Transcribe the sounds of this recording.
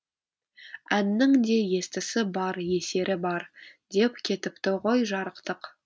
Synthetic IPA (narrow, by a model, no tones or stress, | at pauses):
ænːɪŋd̪e̞je̞st̪ɪsɪbɑɾje̞se̞ɾɪbɑɾd̪e̞p̚kʲʰe̞t̪ɪpt̪ɪʁo̞jʒɑɾəqt̪əq